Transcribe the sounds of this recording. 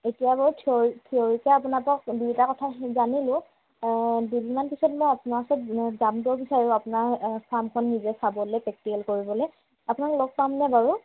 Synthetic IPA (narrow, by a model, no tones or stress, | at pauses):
etijabɔɹtʰoɹtʰioɹikɛap̬ʊnapɔk̚duitakɔtʰazanilʊ̃ | dudimanpisɔtmɔjapʊnaasɔtzamtɔbisaɹuapʊnaɹpʰamkʰɔnːizɛsabɔlɛjpɛk̚tikɛlkoɹibɔlɔj | apʊnaklɔk̚pamnɛbaɹʊ